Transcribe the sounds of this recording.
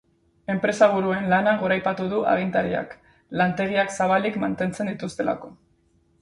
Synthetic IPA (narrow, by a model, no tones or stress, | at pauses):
e̞mpɾe̞saβ̞uɾue̞nlanaɣ̞o̞ɾajpat̪uð̞uʔa̰ɣint̪aɾia̰k | lant̪e̞ɣiaksaβalikmant̪e̞nt͡se̞nd̪it̪ust̪e̞la̰ko̞